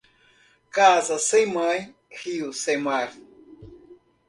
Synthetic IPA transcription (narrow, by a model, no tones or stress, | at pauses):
kasasɨmaj | hiusemaɾ